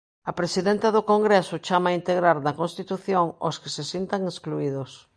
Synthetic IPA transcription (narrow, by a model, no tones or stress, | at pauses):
ɐpɾesiðent̪ɐðʊkoŋɡɾesʊt͡ʃamaint̪eɣɾaɾnɐkonst̪it̪uθjoŋo̰skesesjint̪aŋeskluiðʊs